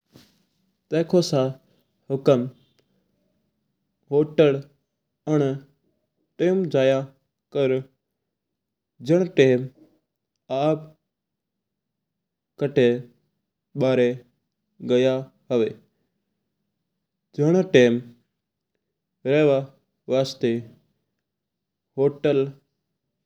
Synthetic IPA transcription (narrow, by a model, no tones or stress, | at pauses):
t̪eːkʰoːsãː | ɦʊkəm | ɦoːʈəɽ | əɳ | ʈeːmd͡ʒaːjaː | kəɾ | d͡ʒəɽ̃ʈeːm | aːp | kəʈʰe | ɓaːɾe | ɡəja | ɦəʋeː | d͡ʒəɽ̃ʈeːm | ɾeɦʋa | ʋaːst̪e | ɦoːʈəl